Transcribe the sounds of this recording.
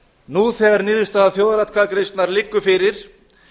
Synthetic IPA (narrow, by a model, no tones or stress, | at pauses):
nuθɛɣaɾnɪːðʏst̪aaθjowðaɾat̪kʰakɾejst̪naɾlɪkːʏfɪɾɪɾ̥